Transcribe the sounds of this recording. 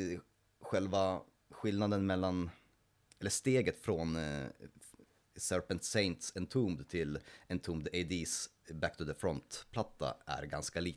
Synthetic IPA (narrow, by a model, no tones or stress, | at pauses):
ɧɛlva | ɧɪlnad̪ənmɛlːan | ɛlːəʂt̪eːɡət̪fɾon | sœɾpənt̪seɪnt̪sɛnt̪ʰuːmd̪t̪ʰɪlɛnt̪ʰuːmd̪eɪd̪is | bæk̚t̪ʰɵðəfɾɔnt̪pʰlat̪ːa̰æ̰ɾɡanskaliː